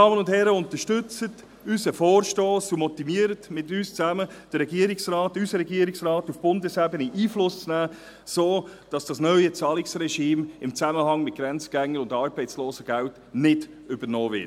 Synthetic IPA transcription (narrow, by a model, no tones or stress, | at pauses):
ɑːmənʊndhɛɾəʊntəʃtʏt͡sət | ysəfɔːɾʃtoːsumɔtimiəɾətmɪtyːst͡sæməd̥əɾːɛɡiəɾɪksrɑːtysəɾɛɡiːəɾɪksrɑːtufb̥ʊndəshæbəniʔiːflʊst͡snæː | soːd̥ɑsd̥ɑsnœʏət͡sɑːlɪksrɛʃiːmɪmt͡sæməhɑŋmɪt̚ɡ̥ɾɛnt͡səɡ̥æŋːəɾʊndɑːɾbɛɪt͡sloːsəɡ̥ælt | nɪd̥ | ʏbəɾnɔːvɪ̰t